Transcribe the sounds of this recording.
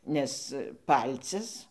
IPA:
ˈnʲɛs ˈpɐlʲt͡sʲɪs

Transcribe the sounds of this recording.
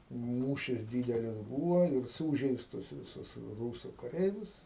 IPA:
ˈmuːʃʲɪs ˈdʲiːdʲɛlʲɪs ˈbuːʋoː ɪr ˈsuːʒʲɛɪstʊs ʋʲɪˈsʊs ˈruːsʊ kɐˈrʲɛɪʋʲʊs

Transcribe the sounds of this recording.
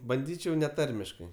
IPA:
bɐnʲˈdʲiːt͡ʃʲɛʊ nʲɛˈtɐrʲmʲɪʃkɐɪ

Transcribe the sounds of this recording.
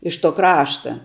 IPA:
ɪʃ toː ˈkrɑːʃtɐ

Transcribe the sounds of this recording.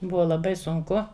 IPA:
ˈbʊʋɐ lˠɐˈbɐɪ sʊŋˈkʊ

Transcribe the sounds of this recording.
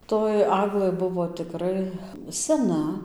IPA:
toːj ˈɑːɡlˠɘ ˈbʊʋoː tʲɪˈkrɐɪ sʲɛˈnɐ

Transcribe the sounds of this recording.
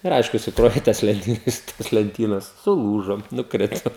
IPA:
ɪr ˈɐɪʃkʊ sʊˈkroːʋʲeː ɪ ˈtɐs lʲɛnʲˈtʲiːnɐs toːs lʲɛnʲˈtʲiːnɐs sʊˈlˠuːʒoː nʊkˈrʲɪtoː

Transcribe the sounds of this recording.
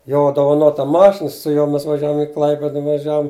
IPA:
ˈjoː doːʋɐˈnoːtɐ ˈmɑːʃʲɪnɐ sʊ ˈjuɔ ˈmʲɛs ʋɐˈʒʲæːʋʊm ɪ ˈklˠɐɪpʲɪdɐ ʋɐˈʒʲæːʋʊm

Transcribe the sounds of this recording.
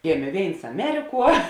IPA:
ˈɡʲeːmʲeː ˈʋʲeːɪns ɐˈmʲæːrʲɪˌkuɔ

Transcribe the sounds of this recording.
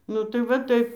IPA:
nʊ ˈtɐɪ ʋɐ ˈtɐɪp

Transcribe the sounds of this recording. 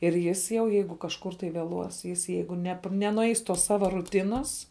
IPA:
ɪr ˈjɪs jɛʊ ˈjɛɪɡʊ kɐʃˈkʊr tɐɪ ʋʲeːˈlˠuɔs jɪs ˈjɛɪɡʊ nʲɛp nʲɛnʊˈɛɪs toːs ˈsɑːʋɐ ruːˈtʲɪnɐs

